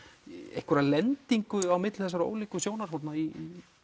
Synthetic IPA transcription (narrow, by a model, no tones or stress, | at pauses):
ḛhkʏɾalɛnt̪iŋkʏawmɪt̪l̥θɛs̬aɾo̰ːwlikʏsjoːwnar̥at̪nai